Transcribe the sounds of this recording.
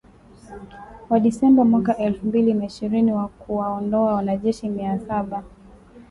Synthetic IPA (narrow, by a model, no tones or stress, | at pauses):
waɗisɛmbamwakaʔɛlfumbilinaiʃiɾiniwakuwaɔndɔawanaʄɛʃimiasaɓa